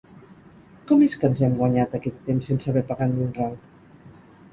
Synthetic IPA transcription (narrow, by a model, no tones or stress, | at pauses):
kɔmeskənzɛmɡwaɲat̪əkɛt̪ːemsːensəβɛpaɣandunraŋk